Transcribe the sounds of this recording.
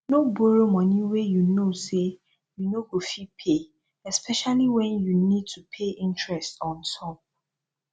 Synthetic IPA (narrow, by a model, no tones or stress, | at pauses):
noboɾomɔ̃nĩwejunose | junoɡofipʰe | ɛspʰɛʃaliwɛ̃njunid̚tʰupʰeʔɪ̃ntɹɛstɔ̃ntʰɔp̚